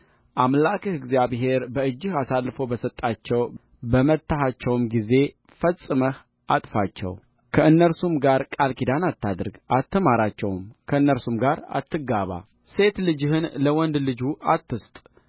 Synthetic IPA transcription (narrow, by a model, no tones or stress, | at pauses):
ʔamlakɨhɨɡzijaβɦe̞ɾbəɨd͡ʒːɪhasalːfobəsət̪ʼːat͡ʃːɛw | bəmət̪ːaɦat͡ʃːɛwmɡize̞ | fəsʼːɨməh | ʔat̪ʼfat͡ʃːɛ̰w | kʰəɨnːəɾsumɡaɾkʼalkʰid̪anat̪ʰːad̪ɾɡʔat̪ʰːəmaɾat͡ʃːɛwmkʰəɨnːəɾsumɡaɾa̰t̪ːɨɡaβa̰ | se̞t̪lɨd͡ʒɪhɨnləwɔnd̪lɨd͡ʒuʔat̪ːɨst̪ʼ